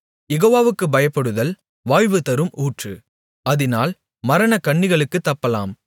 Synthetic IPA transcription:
jɛɣoːʋaːʋɯkːɯbɐjɐpːɐɽɯðɐl | ʋaːjʋɯt̪ɐɾɯmʔuːʈrɯ | ɐðɪnaːl | mɐɾɐnɐkɐɳːɪɣɐɭɯkːɯt̪ːɐpːɐla̰ːm

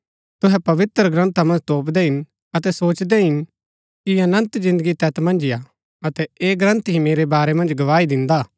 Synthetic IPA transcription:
t̪ʊɦɛpɐʋɪt̪ɾɡɾɐ̃nt̪amɐ̃nd͡ʒt̪oːpd̪ɛɦɪn | ɐt̪ɛsoːt͡ʃd̪ɛɦɪn | kiɐnə̃nt̪zɪ̃nd̪əɡit̪ɛt̪mɐ̃nd͡ʒɪja | ɐt̪ɛeːɡɾə̃nt̪ɦĩmeːɾebaːɾemɐ̃nd͡ʒɡɐʋaːid̪ɪ̃nd̪aː

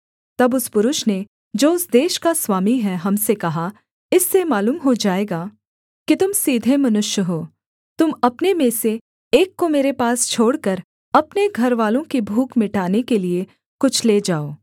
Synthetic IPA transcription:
t̪ɐbʊspʊɾʊʃne | d͡ʒoːʊsd̪eːʃkaswaːmiɦɛɦɐmsekɐɦa | ɪsːemaːluːmɦod͡ʒaːeːɡaː | kit̪ʊmsiːd̪ʱemɐnʊʃjəɦoː | t̪ʊmɐpnemẽse | eːkːomeːɾepaːst͡ʃʰoːɽkɐɾ | ɐpneɡʱɐɾʋaːlõkibʱuːkmɪʈaːnekelie | kʊt͡ʃʰleːd͡ʒaːoː

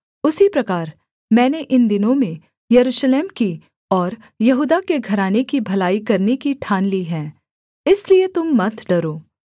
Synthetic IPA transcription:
ʊsipɾɐkaːɾ | mɛ̃ːneʔɪnd̪ɪnõmẽ | jɐɾuːʃleːmki | ɔːɾ | jɐɦuːd̪akeɡʱɐɾaːnekibʱɐlaːikɐɾnekiʈʰaːnliːɦɛ̃ː | ɪsliet̪ʊmːɐt̪ʰɖɐɾoː

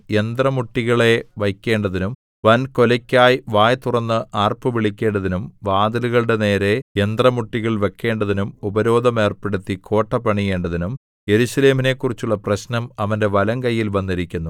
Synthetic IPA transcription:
end̪rɐmuʈːiɣɐɭe̞ʋɐjkʲːe̞ːɳɖɐðinum | ʋɐnkolɐkʲːaːjʋaːjt̪urɐnːɨʔaːrpɨʋiɭikʲːe̞ːɳɖɐðinumʋaːd̪ɐluɣɐɭɽe̞ne̞ːɾe̞end̪rɐmuʈːiɣɐɭʋe̞kːe̞ːɳɖɐðinumubɐɾo̞ːd̪ʱɐme̞ːrpeɽut̪ːikʰo̞ːʈːɐpːɐɳije̞ːɳɖɐðinum | je̞ɾuɕɐle̞ːmine̞kːurit͡ɕːuɭːɐprɐɕnɐmɐʋɐnde̞ʋɐlɐŋkɐjːilbɐnːiɾikʲːunːu

